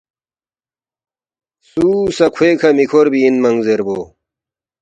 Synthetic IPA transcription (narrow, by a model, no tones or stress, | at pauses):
suːsɐkʰweːkʰɐmikʰoɾbiːnmɐŋzeɾboː